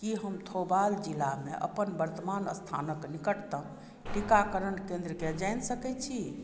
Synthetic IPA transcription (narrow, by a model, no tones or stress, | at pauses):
kiɦəmt̪ʰobald͡ʒilameʔə̰pənbəɾt̪əmanə̰st̪ʰa̰nəknikəʈt̪ə | ʈikakəɾənkẽnd̪ɾəked͡ʒajnsəkɛt̪̚t͡ʃʰi